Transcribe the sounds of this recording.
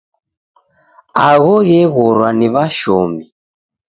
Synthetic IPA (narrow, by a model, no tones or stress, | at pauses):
aɣɔɣɛɣɔɾwaniβaʃɔmi